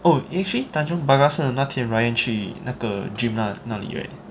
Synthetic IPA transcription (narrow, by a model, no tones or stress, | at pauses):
ʔoiʔɛk̚t͡ʃəlit̪ãnd͡ʒɔ̃ŋbaɡasənãt̪ʰɛ̃nɹajə̃nt͡ʃʰinakəd͡ʒĩmlanãlḭwɛ̰ʔ